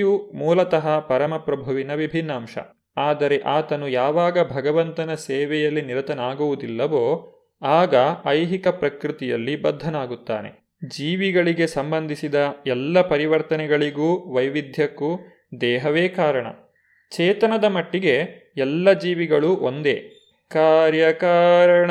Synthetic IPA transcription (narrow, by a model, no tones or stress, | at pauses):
jumuːlɐt̪ɐɦɐpɐɾɐmɐpɾɐbʱuʋinɐʋibʱinːaːmʂɐ̰ | aːd̪ɐɾe̞ʔaːt̪ɐnujaːʋaːɡɐbʱɐɡɐʋɐnt̪ɐnɐseːʋɛjɐlːiniɾɐt̪ɐnaːɡuʋud̪ilːɐʋoː | aːɡɐɐjɦikɐpɾɐkɾit̪ijɐ̰lːibɐd̪ʱːɐnaːɡut̪ːa̰ːne̞̰ | d͡ʒiːʋiɡɐɭiɡe̞sɐmbɐnd̪ʱisid̪ɐɛlːɐpɐɾiʋɐɾt̪ɐnɛɡɐɭiɡuːʋɐjʋid̪ʱjɐkːu | d̪ɛːɦɐʋeːkaːɾɐɳɐ̰ | t͡ʃɛːt̪ɐnɐd̪ɐmɐʈːiɡe̞ɛlːɐd͡ʒiːʋiɡɐɭuʔond̪ḛː | kaːɾjɐkaːɾɐɳɐ